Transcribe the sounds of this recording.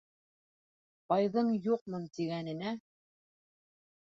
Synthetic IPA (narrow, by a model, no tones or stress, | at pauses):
pɑjðɤɴjuq̚mɤnt̪iɡænɘ̆næ